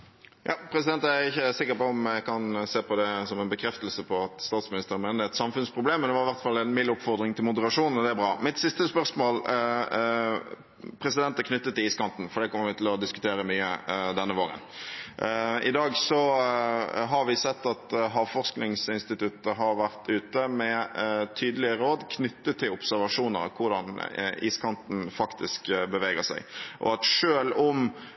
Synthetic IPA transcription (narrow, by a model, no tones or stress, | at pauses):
jʔɑ̰ːpʰɾɛs̬ɪd̪ɛnt̪æɾɪçːəsɪkːəɾpɔɔmɛkɑnseːpɔd̪ɛsɔmɛnbəkʰɾɛft̪əlsəpʰɔɑt̪st̪ɑːt̪smɪnɪst̪əɾmɛːnəɛt̪sɑmfʉnspʰʁʊbleːmnɛʋɑɾɪʋæʁt̪fɑlːɛnmɪlːʊpːfɔʁd̪ɾɪŋt̪ʰɪlmʊd̪əɾɑʂuːnn̩ɔd̪ɛæɾbʁɑːmɪt̪sɪst̪əspœɾsmoːl | pʰɾɛsɪd̪ɛnt̪əkʰnʏt̪ːət̪ːɪliːskɑnt̪n̩fɔɾɖ̪ɛːkʰɔmːəɾʋɪt̪ʰɪlɔd̪ɪskʉ̥t̪ʰeːɾəmyːə̰d̪ɛnːəʋoːɾə̰n | ɪd̪ɑːɡsɔ | ɦɑɾʋɪsɛt̪ːɑt̪ɦɑːʋfɔʁsknɪŋsɪnst̪ɪt̪ʉt̪əɦɑɾʋæʁt̪ʰʉːt̪əmɛt̪ʰyːd̪əlɪəɾoːd̪kʰnʏt̪ːət̪ʰːɪlʊpsæʁʋɑʂuːnə̰ɾkʰʊɾd̪ɑniːskʰɑnt̪n̩fɑkt̪ɪskbəʋeːɡəsæ̰ɪʔɔ̰ɑt̪ʂøːlʊm